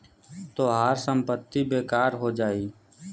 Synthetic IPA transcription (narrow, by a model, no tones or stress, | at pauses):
t̪oːɦaːɾsəmpət̪ːibeːkaːɾɦoːd͡ʒaːiː